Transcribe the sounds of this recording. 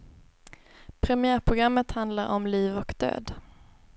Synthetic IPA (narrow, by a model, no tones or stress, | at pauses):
pʰɾɛmɪæːɾpʰɾʊɡɾamːət̪hand̪laɾʔɔmliːvɔkd̪ø̰ːd̪